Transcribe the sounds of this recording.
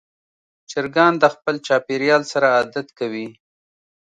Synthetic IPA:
t͡ʃɪɾɡɑnd̪əxpəlt͡ʃɑpeɾjɑlsaɾaːd̪at̪kawi

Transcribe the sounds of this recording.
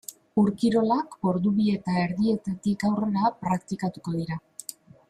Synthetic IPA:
uɾkiɾo̞lako̞ɾðuβie̞t̪ae̞ɾðie̞t̪at̪ikawre̞ɾapɾakt̪ikat̪uko̞ðiɾa

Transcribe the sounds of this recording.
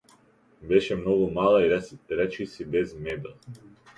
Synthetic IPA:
beʃemnoɡomaːlˠaɾet͡ʃisibezmed̪

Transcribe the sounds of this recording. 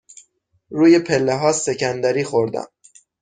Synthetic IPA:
ɾuːjepʰelːeɦɒːsecʰænd̪æɾiːxoɾd̪æ̰m

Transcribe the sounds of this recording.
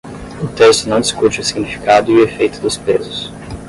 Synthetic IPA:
ʊt̪est̪ʊnɐ̃w̃d̪ɪskut͡ʃɪʊsiɡnifi̥kad̪ʊiuefejt̪ʊd̪ʊspezʊs

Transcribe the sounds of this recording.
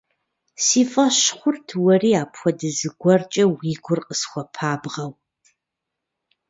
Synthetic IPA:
siːfʼɐɕχʷʊrtʰwɐriːaːpʰxʷɔdɨzɨɡʷɔrt͡ʃʼɐwiːɡʷʊrqʼəsxʷɔpʰaːbʁɐw

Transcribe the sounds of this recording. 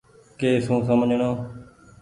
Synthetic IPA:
keːsũːsəmd͡ʒɳoː

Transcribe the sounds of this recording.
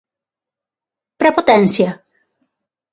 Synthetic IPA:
pɾepot̪ɛnsja

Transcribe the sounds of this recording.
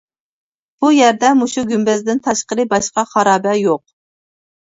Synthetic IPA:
b̥ujæɾd̪ɛmuʃuɡʲymbɛzd̪ɪnt̪ʰɑʃqəɾɨbɑʃqɑχɑɾɑːbæjoq̚

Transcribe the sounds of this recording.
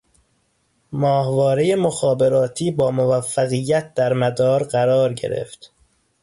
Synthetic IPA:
mɒːhvɒːɾejemoxɒːbe̞ɾɒːt̪ʰiːbɒːmovæfːæɣijːæt̪̚d̪æɾmæd̪ɒːɾɢæɾɒːɾɟe̞̰ɾe̞̰ft̪

